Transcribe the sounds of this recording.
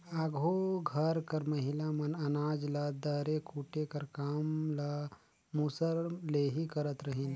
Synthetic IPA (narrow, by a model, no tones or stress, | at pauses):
aːɡʱoɡʱɐɾkɐɾmɐɦɪlamɐnɐnaːd͡ʒlad̪əɾekʰuːʈekɐɾkaːmla | musəɾleːɦikɐɾət̪ɾɐɦiːn